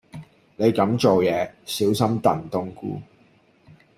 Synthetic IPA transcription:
ne˨˧jkɐ˨˥mt͡ʃo˨wjɛː˨˧siː˨˥wsɐ˥mt̪ɐ˨nt̪ʊ˥ŋkṵː˥

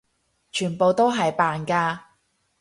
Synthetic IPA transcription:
t͡ʃʰyː˨˩npo˨wt̪o˥wɦɐ˨jpaː˨nkaː˧

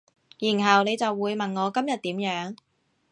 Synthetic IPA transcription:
jiː˨˩nɦɐ˨wne˨˧jt͡sɐ˨wːuː˨˧jmɐ˨nŋɔː˨˧kɐ˥mjɐ˨t̚t̪iː˨˥mjœː˨˥ŋ

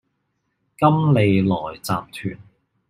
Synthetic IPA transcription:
kɐ˥mle˨˧jlɔː˨˩jt͡sa̰ː˨mt̪ʰyː˨˩n

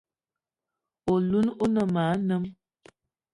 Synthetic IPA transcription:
o˨lu˦no˦nə˨ma˨˦nə˦m

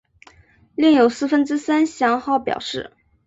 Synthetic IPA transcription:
li˥˩ŋjo˨˩ʊsɹ̩˥˩fə˥nʈ͡ʂɻ̩˥sa˥nɕjɑ˧˥ŋxɑ˥˩ʊpjɑ̰˨˩ʊʂɻ̩˥˩

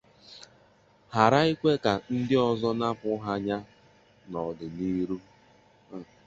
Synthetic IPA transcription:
ha˨ɾa˦i˦kʷe˦ka˨n̩˦dɪ˦ɔ˨zɔ˦na˦pʊ˦ɦa˦ɲa˦ | nɔ˨dɪ˨ni˦ɾu˦˨

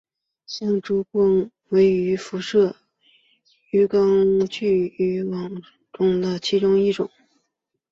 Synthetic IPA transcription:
ɕɑ˥˩ŋʈ͡ʂu˧˥kwɤ˥˩ŋ | we˧˥ɪy˧˥fu˧˥ʂɤ˥˩ | y˧˥kɑ˥ŋt͡ɕy˥˩y˧˥wɑ˨˩ŋ | ʈ͡ʂʊ˨˩ŋd̪ə˧t͡ɕʰi˧˥ʈ͡ʂʊ˥ŋi˥˩ʈ͡ʂʊ̰˨˩˦ŋ

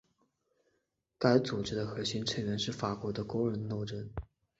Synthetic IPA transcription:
ka˥ɪt͡su˨˩ʈ͡ʂɻ̩˥d̪ə˨xɤ˧˥ɕi˥nʈ͡ʂʰə˧˥nɥɛ˧˥nʂɻ̩˥˩fa˨˩kwɔ˧˥d̪ə˧kwo˥ʊɻə˧˥nno˥˧ʊʈ͡ʂə˥n

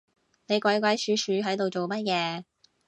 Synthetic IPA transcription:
ne˨˧jkʷɐ˨˥jkʷɐ˨˥jsyː˨˧sʰyː˨˥ɦɐ˨˥jt̪o˨wt͡so˨wmɐ˥t̚jkɛː˨˧

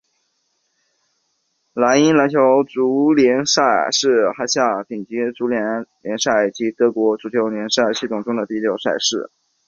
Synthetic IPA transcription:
la˧˥ni˥nla˧˥nt͡ɕʰjo˧˥ʊʈ͡ʂu˧˥ljɛ˧˥nʂa˥˩ɪʂɻ̩˥˩xa˥ɕja˥˩pi˨˩ŋt͡ɕi˧˥ʈ͡ʂu˧˥ljɛ˧˥nljɛ˧˥nʂa˥˩ɪt͡ɕi˧˥t̪ɤ˧˥kwɔ˧˥ʈ͡ʂu˧˥t͡ɕʰjo˧˥ʊljɛ˧˥nʂa˥˧ɪɕi˥˩t̪ʰʊ˨˩ŋʈ͡ʂʊ˥ŋd̪ə˨t̪i˥˩ljo˨˩ʊʂa˥˧ɪʂɻ̩˥˩

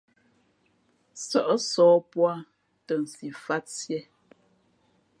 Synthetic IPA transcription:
sə˨ʔə˦sɔː˨˦pwa˦˨ | tə˨n̩˨si˨fa˦tsjɛ˦

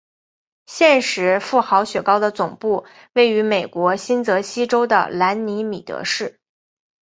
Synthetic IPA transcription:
ɕjɛ˥˩nʂɻ̩˧˥fu˥˩xɑ˧˥ʊɕɥɛ˨˩kɑ˥ʊd̪ə˨t͡sʊ˨˩ŋpu˥˧ | we˥˩ɪy˧˥me˨˩ɪkwɔ˧˥ɕi˥nt͡sɤ˧˥ɕi˥ʈ͡ʂo˥ʊd̪ə̰˨la˧˥nni˧˥mi˨˩t̪ɤ̰˧˥ʂɻ̩˥˩

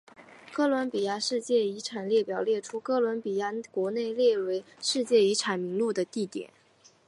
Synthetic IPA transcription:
kɤ˥lwə˧˥npi˨˩ja˥˧ʂɻ̩˥˧t͡ɕjɛ˥˩i˧˥ʈ͡ʂʰa˨˩nljɛ˥˩pjɑ˨˩ʊljɛ˥˩ʈ͡ʂʰu˥kɤ˥lwə˧˥npi˨˩ja˥˩kwɔ˧˥ne˥˧ɪljɛ˥˩we˧˥ɪ | ʂɻ̩˥˧t͡ɕjɛ˥˩i˧˥ʈ͡ʂʰa˨˩nmi˧˥ŋlu˥˩d̪ə˩t̪i˥˩t̪jɛ̰˨˩˦n

